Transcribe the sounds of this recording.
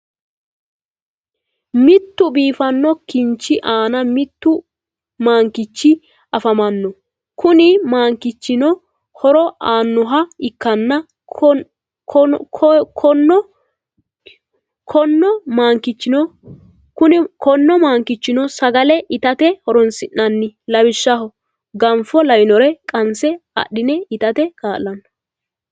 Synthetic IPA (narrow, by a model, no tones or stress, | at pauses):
mɪt̪ːʊbiːfɐnːɔkɪnt͡ʃːɪʔaːnɐmɪt̪ːʊ | maːŋkɪt͡ʃːɪ | ɐfɐmɐnːɔ | kʊnɪmaːŋkɪt͡ʃːɪnɔ | hɔɾɔʔaːnːɔɦɐɪkːɐnːɐ | kʰɔnːɔ | kʰɔnːɔmaːŋkɪt͡ʃːɪnɔ | kʊnɪkɔnːɔmaːŋkɪt͡ʃːɪnɔsɐɡɐlɛʔɪt̪ɐt̪ɛhɔɾɔnsɪnːɐnːɪlɐbɪʃːɐɦɔ | ɡɐnfɔlɐjnɔɾɛkʼɐnsɛɐ̰ɗːɪnɛɪt̪ɐt̪ɛkaːlːɐnːɐ